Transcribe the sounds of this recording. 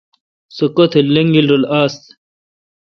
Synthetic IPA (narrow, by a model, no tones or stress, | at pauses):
sokot̪ʰelɐŋɡilɾolaːst̪